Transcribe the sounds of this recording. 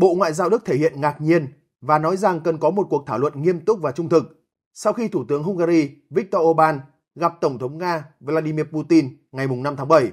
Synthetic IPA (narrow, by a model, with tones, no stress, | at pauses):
ɓo̰˧˨ŋwa̰ː˧˨jzaː˧wɗɨ˦˥k̚t̪ʰe˧˩hḭ˧˨ənŋaː˨˩k̚ɲi˧ən | vaː˨˩nɔ˨˦jza˨˩ŋkə˨˩nkɔ˨˦mo˨˩t̚ku˨˩ək̚t̪ʰaː˧˩wə̰˧˨nŋi˧əmt̪ʊ˦˥k͡p̚vaː˨˩t͡ɕʊ˧ŋ͡mt̪ʰɨ˨˩k̚ | sa˧wxi˧t̪ʰu˧˩t̪ɨ˨˦əŋɦʊ˧ŋ͡mɣaː˧ɾi˧vi˦˥k̚t̪ɔ˧ʔo˧ɓaː˧n | ɣa˨˩p̚t̪ə˧˩wŋ͡mt̪ʰə˨˦wŋ͡mŋaː˧və˧laː˧ɗi˧mi˧əpu˧t̪i˧n | ŋa˨˩jmʊ˨˩ŋ͡mna˧mt̪ʰaː˨˦ŋɓə˧˩j